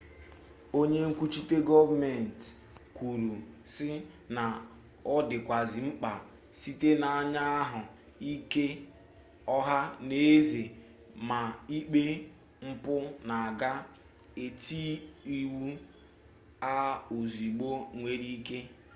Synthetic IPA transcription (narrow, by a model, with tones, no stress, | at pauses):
o˦ɲe˦ŋ̩˦kʷu˦t͡ʃi˦te˦ɡɔ˦va˦me˨n˨t | kʷu˨ɾu˨sɪ˦ | na˨ | ɔ˦dɪ˨kʷa˨zi˨ŋ͡m̩˦k͡pa˨ | si˦te˦na˨a˦ɲa˦a˦ɦʊ˨ | i˦ke˦ | ɔ˦ɦa˦ne˨e˦ze˨ | ma˨i˦k͡pe˦ | ŋ͡m̩˦pʊ˦na˨a˨ɡa˦ | e˨ti˦i˦wu˦ | a˦o˨zi˨ɡ͡bo˦ŋʷe˦ɾi˦ke˦